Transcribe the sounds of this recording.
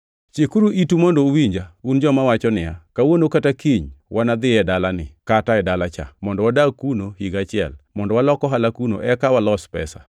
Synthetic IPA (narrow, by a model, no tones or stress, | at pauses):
t͡ʃikuɾuʔitumɔndouwiɲd͡ʒaund͡ʒɔmawat͡ʃɔnɪja̰kawonokatakiɲwʔanad̪ɪɛdalanɪ̰kataɛdalat͡ʃa̰mɔndɔwadakunohiɡat͡ʃɪɛ̰lmɔndɔwalɔkɔɦalakuno̰ʔɛkawalɔspɛ̰sa̰